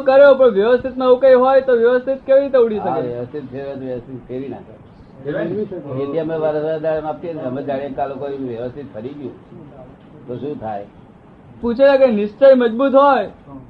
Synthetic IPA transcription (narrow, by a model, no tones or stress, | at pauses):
kəɾjopəɳʋjəʋəst̪ʰit̪naũkəjɦɔjt̪oʋjəʋəst̪ʰit̪keʋiɾit̪euɽiʃəkeʋjjəʋəst̪ʰit̪seɾɔt̪oʋjəʋəst̪ʰit̪keɾina̰ka̰ | et̪iameʋaɾəsaɾd̪aɾmap̚t̪iət̪ʰiəmed͡ʒaɽiekalokoɾiʋjəʋəst̪ʰit̪fʰəɾiɡjṵ̃ | t̪oʃũt̪ʰaj | pũt͡ʃʰelakəjnɪʃt͡ʃəjməd͡ʒbut̪ɦɔj